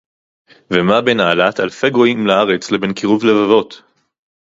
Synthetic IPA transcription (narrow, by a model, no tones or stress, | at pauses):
vemabenaːlat̪alfe̞ɡʁoimlaaʁe̞t͡slebe̞nkiʁuvle̞vavo̞t̪